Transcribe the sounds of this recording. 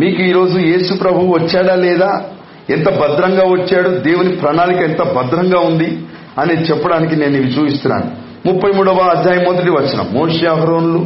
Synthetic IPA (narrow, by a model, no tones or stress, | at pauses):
miːkuiːɾo̞ːd͡ʒuje̞ːsupɾɐbʱuwuʋɐt͡ʃːaːɽaːlɛːd̪aː | ɛnt̪ɐbɐd̪ɾɐŋɡaːʋɐt͡ʃːaːɽud̪e̞ːwunipɾɐnaːlikɐɛnt̪ɐbɐd̪ɾɐŋɡaːund̪i | ɐneːt͡ʃɛpːɐɽaːnik̬ine̞ːnːiːʋit͡ʃuːpist̪unːa̰ːnu | mupːɐjmuːɽɐʋaːd̪ʱjaːjɐmːɔd̪ɐʈ̬iʋɐt͡ʃːɐnɐ̰mːoːʂeːɐɦɐɾoːnulu